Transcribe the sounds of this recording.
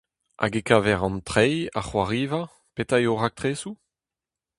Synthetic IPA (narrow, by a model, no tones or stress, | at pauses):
ʔa̰ɡekaːvɛʁɑ̃nt̪ʁɛjaχwaʁiːva | petajoʁak̚t̪ʁeːsu